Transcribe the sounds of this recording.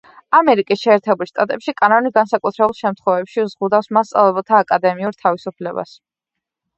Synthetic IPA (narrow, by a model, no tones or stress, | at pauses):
amɛɾikʼisʃɛːɾt̪ʰɛbulˠʃt̪ʼat̪ʼɛpʃikʼanɔniɡansakʼut̪ʰɾɛbulˠʃɛmt̪ʰχwɔvɛpʃiuzʁud̪afsmast̪sʼa̰lˠɛbɛlˠt̪ʰaːkʼad̪ɛmiuɾt̪ʰavisupʰlɛba̰s